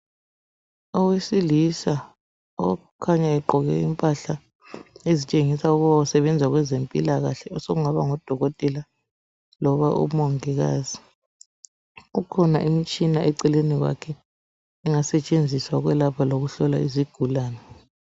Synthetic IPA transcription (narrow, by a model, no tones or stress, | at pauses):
ɔwesilisa | ɔ̰ | kʰaɲaɛǃʱɔɣɛ̰impʼaɬa | ezit͡ʃʼeŋisauɣuβawusɛβɛnd͡zʱaɣwɛzempʼilaɣaɬɛɔsoɣuŋaβaŋɔd̥ʱɔɣotʼɛla | lɔβaʔṵmoŋiɣa̰ːzi | ukʰɔna̰ʔimit͡ʃʼinaʔɛǀɛleniɣwa̰kʰɛ | iŋasɛt͡ʃʼend͡zʱiswaɣwɛlapʰaloɣuɬɔlaiziɡ̥ʱulaːnɛ